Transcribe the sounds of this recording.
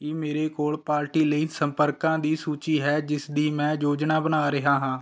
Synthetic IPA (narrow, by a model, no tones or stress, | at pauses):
eːmeːɾeːkoːlpaːɾʈiːləiːsəmpəɾkãːd̪iːsuːt͡ʃiːɦɛːd͡ʒɪsd̪iːmɛ̃ːd͡ʒoːd͡ʒnaːbənaːɾɪɦaːɦãː